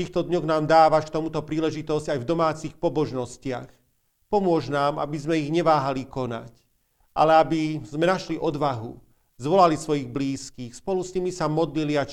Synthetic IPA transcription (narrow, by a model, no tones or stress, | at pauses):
t̪iːxt̪ɔd̪ɲɔɣnaːmd̪aːʋaʃkt̪ɔmut̪ɔpɾiːlɛʒit̪ɔzɟajvd̪ɔmaːt͡sixpɔbɔʒnɔscɪax | pɔmʊɔʒnaːma̰bizmɛiɣɲɛʋaːɦalikɔna̰c | ʔa̰lɛabizmɛnaʃliʔɔd̪ʋaɦṵ | zʋɔlalisʋɔjiɣbliːskiːxspɔlusɲimisamɔd̪lilia